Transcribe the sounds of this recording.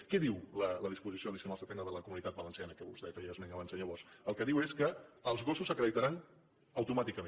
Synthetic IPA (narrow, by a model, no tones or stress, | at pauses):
kɛðiwlələðispuzisioəðisiunalˠsət̪ɛnəðələkumunit̪at̪̚bələnsianəkəβuzðɛfɛəzmeŋəβansə̃nʎəβɔɾsəlˠkəðiweskəːlˠzɣosusəkɾəðit̪aɾan | əwt̪umat̪ikəme